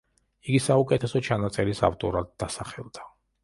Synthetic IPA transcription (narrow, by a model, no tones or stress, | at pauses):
iɡisaukʼɛt̪ʰɛsɔt͡ʃʰanat̪sʼɛɾisa̰ft̪ʼɔɾad̪̚ːasaχɛlˠd̪̥a